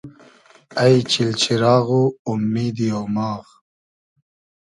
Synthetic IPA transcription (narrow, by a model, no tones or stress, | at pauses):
ɐjt͡ɕʰilt͡ɕʰiɾɑːɣuːmːiːd̪ijowmɑːɣ